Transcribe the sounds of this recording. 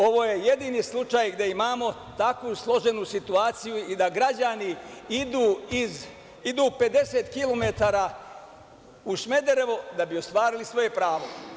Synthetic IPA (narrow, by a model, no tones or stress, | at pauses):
o̞ʋo̞ːje̞je̞d̪iːnislˠut͡ʃajɡd̪e̞imaːmo̞ | t̪akʋuslˠo̞ʒe̞nusit̪uaːt̪sijuid̪aɡɾad͡ʑaniid̪uːiz | id̪uːpe̞d̪e̞set̪kilo̞me̞t̪aːɾaː | uʃme̞d̪e̞ɾe̞ʋod̪abiost̪ʋaːɾilisʋoje̞pɾaːʋo̞